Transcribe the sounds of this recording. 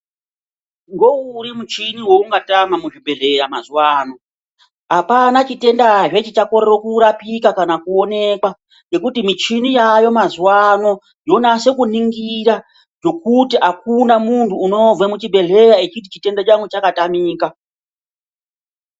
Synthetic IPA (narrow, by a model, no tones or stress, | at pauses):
ŋɡo̞uɾimut͡ʃiniwouŋɡatamamuʐibʱe̞ɮe̞ɾamazuwaːno̞ | apanat͡ʃite̞ndaʐet͡ʃit͡ʃako̞ɾerokuɾapikakanakuone̞kwa | je̞kutimit͡ʃinijajo̞mazuwano̞ | jo̞nase̞kuniŋɡiɾa | ʐ̥o̞kutiʔak̚unamuntʰuːno̞vwemut͡ʃibʱe̞ɮe̞ɾaet͡ʃit̬it͡ʃite̞ndat͡ʃaŋwet͡ʃakatamiːka